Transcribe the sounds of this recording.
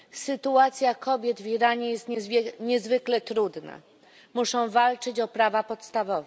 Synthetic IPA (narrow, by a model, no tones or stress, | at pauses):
sɘt̪uat̪sʲjakɔbʲjɛd̪viɾaɲɛjɛst̪ɲɛzvɘklɛt̪ɾud̪na̰ | muʂɔ̃w̃valt͡ʂɘt͡ɕɔpɾavapɔt̪st̪avɔvɛ